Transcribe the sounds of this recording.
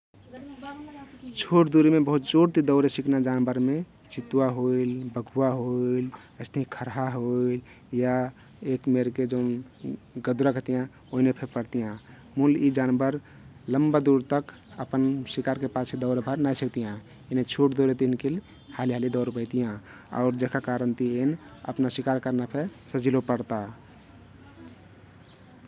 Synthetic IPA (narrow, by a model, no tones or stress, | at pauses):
t͡ʃʰoʈd̪uɾimebəɦut̪̚d͡ʒoɽt̪id̪əʊɾesiknad͡ʒanbəɾme | t͡ʃit̪uwaɦoilbəɡʱuwaɦoil | əst̪əɦĩkʰəɾɦaɦoil | ja | ekmeɾked͡ʒənɡəd̪uɾakət̪ijã | oɦinepʰepəɾt̪ijã | mulid͡ʒanbəɾ | ləmbad̪uɾt̪əkəpənsikaɾkepasʰed̪ɔʊɾbʱəɾnajsəkt̪ijã | enet͡ʃʰuʈd̪oɾet̪inkʰil | haliɦalid̪ɔʊɾbəɪt̪ijã | ɔ̰ʊɾd͡ʒekakaɾənt̪ienə̰pnasikaɾkəɾnapʰesəd͡ʒilopəɾt̪a